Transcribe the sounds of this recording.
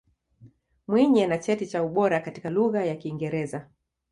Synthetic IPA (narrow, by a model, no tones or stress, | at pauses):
mwiɲɛnat͡ʃɛtit͡ʃauɓɔɾakati̥kaluɣajakiːŋɡɛɾɛza